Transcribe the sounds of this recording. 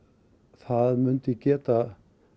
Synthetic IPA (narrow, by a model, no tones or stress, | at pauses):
θaðmʏnt̪ɪcɛːt̪a